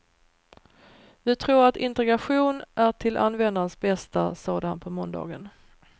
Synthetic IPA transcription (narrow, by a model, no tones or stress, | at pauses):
vɪt̪ʰɾuːɾat̪ɪnt̪ɛɡɾaɧuːnʔæʈʰɪlʔa̰nːvɛnd̪aɾənsbɛst̪asɑːd̪əhanpʰɔmɔnd̪ɑ̰ːɡən